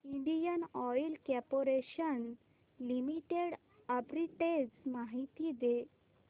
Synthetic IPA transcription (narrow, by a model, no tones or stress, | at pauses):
iɳɖijənɔjlkɛpoɾeɕən | limiʈeɽ | əpɾiʈed͡ʑmaɦit̪iːd̪e